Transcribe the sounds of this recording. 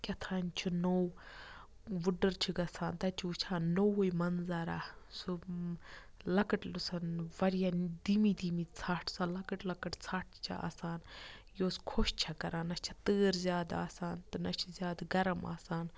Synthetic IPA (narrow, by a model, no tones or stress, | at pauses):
kʲɐt̪ʰaːnt͡ʃʰunow | ʋuɖɐɾt͡ʃʰiɡɐsʰaːnt̪ɐt͡ʃʰuːt͡ʃʰaːnnowojmɐnzaːɾaːsu | lɐkɐʈlusɐnʋɐɾijad̪imid̪iːmit͡sʰaːʈʰsalɐkəʈlɐkɐʈt͡sʰaːʈʰt͡ʃʰa̰ʔa̰ːsaːnjoːskʰoʃt͡ʃʰɐkɐɾaːnɐt͡ʃʰɐ̥t̪əːɾzʲjaːd̪a̰ːsaːnt̪ɨnɐt͡ʃʰizjaːd̪ɡɐɾɐma̰ːsaːn